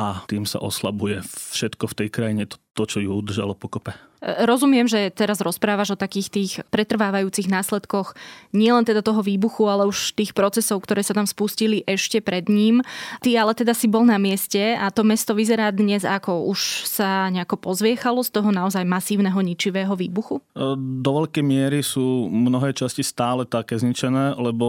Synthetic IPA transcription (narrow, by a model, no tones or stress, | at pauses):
ʔat̪iːmsa̰ʔɔsla̰bujɛfʃɛt̪kɔft̪ɛjkɾajiɲɛt̪ɔ̥t̪ɔt͡ʃɔjuud̪r̩ʒa̰lɔpɔkɔpɛ | ɾɔzumɪɛmʒɛt̪ɛɾazɾɔspɾaːʋaʒɔt̪akiːxt̪iːxpɾɛt̪r̩ʋaːʋajuːt͡siɣnaːslɛt̪kɔxɲɪɛlɛnt̪ɛd̪at̪ɔɦɔʋiːbuxualɛuʃst̪iːxpɾɔt͡sɛsɔʊkt̪ɔɾɛːsat̪amspusciliʔɛʃcɛpɾɛd̪ɲiːmt̪ialɛt̪ɛd̪asibɔlˠnamɪɛscɛat̪ɔmɛst̪ɔʋizɛɾaːd̪ɲɛzakɔuʃsaɲɛakɔpɔzʋɪɛxalɔst̪ɔɦɔnaɔzajmasiːʊnɛɦɔɲit͡ʃiʋɛːɦɔʋḭːbuxud̪ɔʋɛʎkɛjmɪɛɾisuːmnɔɦɛːt͡ʃascist̪aːlɛt̪akɛːzɲit͡ʃɛnɛːlɛbɔ